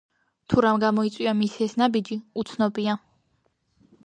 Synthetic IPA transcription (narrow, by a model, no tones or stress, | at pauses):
t̪ʰuɾamɡamɔit̪sʼwiamisɛsnabid͡ʒiut̪sʰnɔbia